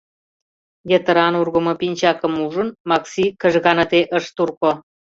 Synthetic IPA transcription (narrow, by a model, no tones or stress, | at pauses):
jet̪ə̆ɾɑnurɣə̆mŏpinʲt͡ɕɑkə̆muʒə̆nmɑksikə̆ʒɣɑnə̆t̪eʔəʃt̪urko